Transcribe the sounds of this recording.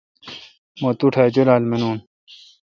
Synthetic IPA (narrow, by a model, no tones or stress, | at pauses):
mot̪uʈʰaːd͡ʑolaːlmenuːn